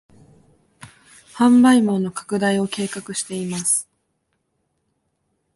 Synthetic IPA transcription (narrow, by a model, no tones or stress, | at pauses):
hãmbaimo̞no̞kḁkɯ̟d̪aio̞ke̞ːkakɯ̟ɕi̥t̪e̞imasɨ̥